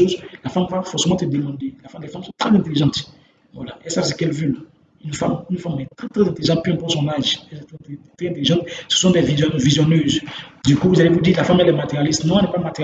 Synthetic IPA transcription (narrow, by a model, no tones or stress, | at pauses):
ozlafamvafɔʁsemɑ̃t̪əd̪əmɑ̃d̪elafalɛfamsɔ̃t̪χɛzɛ̃t̪eliʒɑ̃t̪ | vwa̰laɛsasə̥kɛlvøl | ynfamynfamɛt̪ʁɛt̪ʁɛzɛ̃t̪eliʒɑ̃t̪̚pyɛ̃pɛsɔ̃naʒɛɛɛt̪ɛɛ̃t̪eliʒɑ̃t̪sə̥sɔ̃d̪ɛvizɔvizjɔnøzd̪ykuvuzalevud̪iːʁlafamɛlɛmat̪eʁjalist̪nɔ̃ɛlnɛpamat̪eʁ